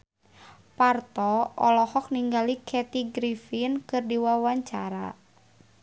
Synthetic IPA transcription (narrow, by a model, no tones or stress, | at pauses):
part̪ɔɔlɔhɔk̚niŋɡalikʰɛt̪iɡɾifinkɨrdiwawaɲt͡ʃaɾa̰